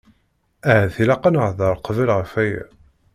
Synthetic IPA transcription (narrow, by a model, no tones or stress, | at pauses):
æhæθilæqənʁðəɾˤqvəlʁəfæjæ̰